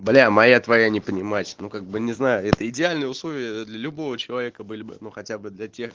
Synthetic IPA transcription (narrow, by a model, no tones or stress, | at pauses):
blʲamɐjat̪vɐjanʲɪpənʲɪmat͡ɕʲnukaɡ̚bɨnʲɪznajʊɛt̪əɪdʲɪalʲnɨjəʊslˠo̞vʲɪjəd̪lʲɐlʲʊbo̞vət͡ɕɪlˠɐvʲekəbɨlʲɪbɨ̰nuxɐtʲabɨd̪lʲɐtʲe̞x